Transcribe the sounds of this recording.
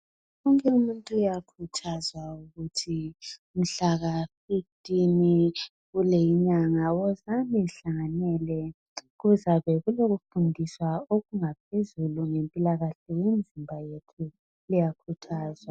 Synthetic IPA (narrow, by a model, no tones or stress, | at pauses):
ɔŋkʼɛumuntʼujakʰutʰazwauɣutʰim̩ɬaɣafiftʼini | ɣulejiɲaŋawɔzamiɬaŋanɛlɛ | ɣuzaβɛɣuloɣufundʱiswaoɣuŋap̚ʰezuluŋempʼilaɣaɬɛwemd͡zʱimbʱajetʰu | lijakʰutʰaːzwa